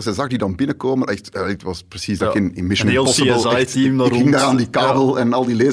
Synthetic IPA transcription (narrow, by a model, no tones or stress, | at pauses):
zɛzɑɣdidɑnbɪnəkoːmənʔɛxtjadɪtʋɑsprəsisdɪnɪnmɪʃəneːlˠpɔsəlˠajtimdɪŋdaːaːndikaːbəlˠɛnɑlˠdileː